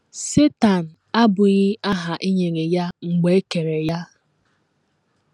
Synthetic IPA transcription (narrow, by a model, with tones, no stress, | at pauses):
se˦ta˨n̩˨a˦bʊ˨ɣɪ˦ʔa˦ɦa˨ʔi˦ɲe˨ŋe˨ja˦ŋ͡m̩˨ɡ͡be˦e˦ke˨ɾe˨ja˦